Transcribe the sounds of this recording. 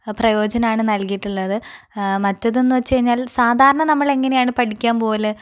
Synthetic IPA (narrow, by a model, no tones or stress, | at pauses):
prɐjo̞ːd͡ʑɐnɐmaːɳɨnɐlkijiʈːuɭːɐðɨmɐtːɐðe̞nːuʋɐt͡ɕːɨkɐɻiɲːaːlsaːd̪ʱaːɾɐɳɐnɐmːɐɭe̞ŋːɐnejaːɳɨpɐʈikʲːaːmpo̞ːle